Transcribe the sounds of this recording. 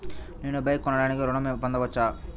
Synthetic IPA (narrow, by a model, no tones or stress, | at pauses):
neːnubɐjkːɔnːɐɽaːnikiɾɔɳɐmpɐnd̪ɐʋɐt͡ʃːaː